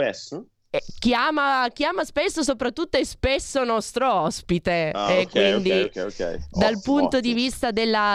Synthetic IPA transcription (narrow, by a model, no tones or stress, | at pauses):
ɛs | ɛk̟jaːmakjaːmaspesːos̬opɾat̪ːut̪ːoɛspesːonɔst̪ɾoɔspit̪eakːind̪ikɛkɛ̰jd̪alpunt̪od̪ivist̪ad̪elːa